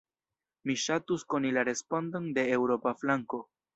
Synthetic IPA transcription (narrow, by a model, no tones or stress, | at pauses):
miʃatuskonilaɾe̞spo̞ndonde̞ːwɾo̞paflaŋko̞